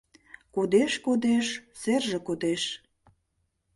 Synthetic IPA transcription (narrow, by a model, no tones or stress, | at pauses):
kod̪eʃkod̪eʃserʒĕkod̪eʃ